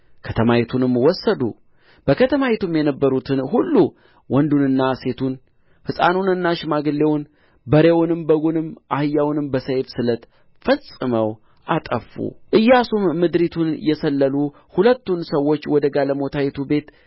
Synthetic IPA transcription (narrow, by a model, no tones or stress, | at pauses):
kʰət̪ʰəmawet̪ʰunɨmːwɔsːəd̪ṵ | b̥əkʰət̪ʰəmawet̪ʰumjɛnəbːəɾut̪ʰɨnhulːu | wɔnd̪unɨnːase̞t̪ʰun | fɨsʼa̰nunɨnːaʃɪmaɡɨlːe̞wʊn | bəɾewʊnɨmbəɡunɨmːʔahɨjːawnɨmbəsəjfsɨlət̪ | fəsʼɨməw | ʔat̪ʼəfːṵʔɨjːasumːɨd̪ɾit̪ʰunjɛsəlːəlu | hulət̪ːunsəwːo̞t͡ʃːwɔd̪əɡaləmo̞t̪ʰajet̪ʰube̞t̪